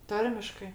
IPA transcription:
ˈtɐrʲmʲɪʃkɜ

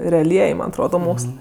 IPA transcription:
rʲɛɐˈlʲiɛj ˈmɐn ɐtˈroːdɐ ˈmoːkslˠɜ

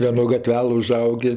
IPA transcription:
ʋʲiɛˈnoː ɡɐˈtʲʋʲæːlˠɘ ʊˈʒɐʊɡʲeː

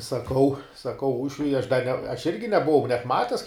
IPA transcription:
sɐˈkɐʊ sɐˈkɐʊ ˈuːʃʲʋʲʊɪ ɐʃ dɐ nʲɛ ɐʃ ˈɪrʲɡʲɪ nʲɛbʊˈʋɐʊ nʲɛt ˈmɑːtʲɛs

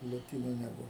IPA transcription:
lˠoːˈtʲiːnʊ nʲɛˈbʊʋʊ

